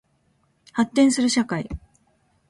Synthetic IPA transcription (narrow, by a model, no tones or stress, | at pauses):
hat̪ːẽ̞ɰ̃sɨɾɯ̟ɕakai